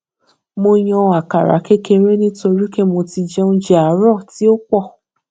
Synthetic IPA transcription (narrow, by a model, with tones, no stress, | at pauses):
mo˧j̃ɔ̃˧a˨ka̰˨ɾa̰˨˦ke˦ke˧ɾe˦nĩ˦to˧ɾi˦ke˦mo˧ti˧d͡ʒɛ˦ũ˦d͡ʒɛ˦a˨˦ɾɔ˦˨ti˨˦o˦k͡pɔ˦˨